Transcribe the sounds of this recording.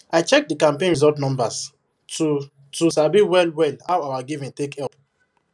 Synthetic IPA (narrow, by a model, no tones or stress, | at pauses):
aɪt͡ʃɛk̚dikãmpẽnɹizɔtnɔ̃mbas | tu | tusabiwɛlwɛlhawawaɡivĩntekɛp